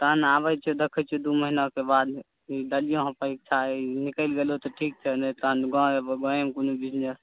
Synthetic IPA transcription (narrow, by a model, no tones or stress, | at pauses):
t̪ənabət͡ʃʰɛd̪ekʰɛt͡ʃʰɛd̪uməɦinakebad̪ | id̪əlijõɦə̃pəik̚t͡ʃʰanikəlɡelot̪ɔʈʰik̚t͡ʃʰɛnət̪ənɡɔ̃ebɡɔ̃emkonubid͡ʒnes